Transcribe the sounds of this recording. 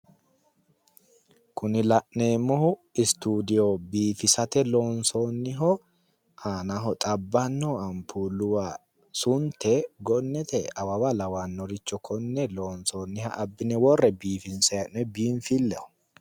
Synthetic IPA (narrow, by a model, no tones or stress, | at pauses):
kʊnɪlɐʔneːmːɔhʊɪst̪uːd̪ɪjoːbiːfɪsɐt̪ɛloːnsoːnːɪɦɔ | aːnaɦɔt̪ʼɐbːɐnːoːɐmpʰuːlʊwa | sʊnt̪ːɛɡɔnːɛt̪ɛɐwɐwalɐwanːɔɾɪt͡ʃːɔkʰɔnːɛloːnsoːnːɪhɐ̰ʔɐbːɪnɛwɔrːɛbiːfɪnsɛjɐnbiːɱfɪlːɛɔ̥